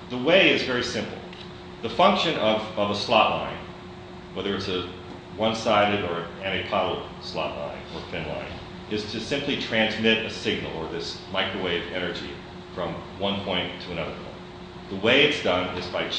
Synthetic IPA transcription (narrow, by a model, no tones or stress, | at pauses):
ðəweɪɨzvɛɹisɪ̃mpl̩ˠ | ðəfʌ̃ŋkʃɨ̃nʌvʌvəslɑʔlã̰ɪ̃n | wɛðə˞ɨtsɨ | wʌ̃nsaɪɾɨɾə˞ɨæ̃ɾ̃ɨk̚pʰɑɾl̩ˠ | slɑ̰ʔˡlã̰ɪ̃nə˞fɪ̃nlã̰ɪ̃n | ʔɨz̥tʰɨsɪ̃mplitʰɹ̥æ̃nzmɪɾɨsɪɡ̚nl̩ˠə˞ðɪsmaɪkɹəweɪvɛnə˞d͡ʒḭ | fɹʌ̃m | wʌ̃npʰɔ̃ɪ̃ntʰəɨ̃nʌðə˞pʰɔ̰̃ɪ̃nt | ðəweɪɨtsd̥ʌ̃nɪzbaɪ